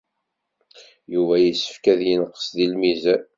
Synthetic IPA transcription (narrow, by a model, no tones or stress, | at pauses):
juvæjisːə̥fkæðjənəqːə̥sðilmizæ